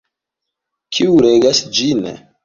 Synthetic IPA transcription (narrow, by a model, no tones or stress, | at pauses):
kʰiuɾeɡasd͡ʒin